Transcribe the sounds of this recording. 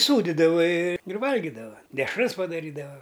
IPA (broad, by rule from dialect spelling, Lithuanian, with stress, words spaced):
ˈsuːdʲɪdɐʋɐ ɪ ɪr ˈʋɐlʲɡʲɪdɐʋɐ dʲɛʃˈrɐs pɐdɐˈrʲiːdɐʋɐ